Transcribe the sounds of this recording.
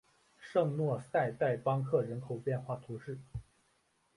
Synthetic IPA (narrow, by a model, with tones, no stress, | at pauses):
ʂɤ˥˧ŋnwɔ˥˧sa˥˧ɪt̪a˥˩ɪpɑ˥ŋkʰɤ˥˩ɻə˧˥nkʰo˨˩ʊpjɛ˥˧nxwa˥˩t̪ʰu˧˥ʂɻ̩˥˩